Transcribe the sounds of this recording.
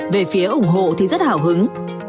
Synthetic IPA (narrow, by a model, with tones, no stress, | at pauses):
ve˨˩fi˨˦əʔʊ˨˧˩ŋ͡mɦo̰˧˨t̪ʰi˨˩zə˦˥t̚haː˧˩wɦɨ˨˦ŋ